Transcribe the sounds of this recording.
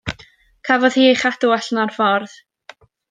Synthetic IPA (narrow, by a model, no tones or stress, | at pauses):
kʰavɔð̥hiːejχadʊɛɬnarfɔrð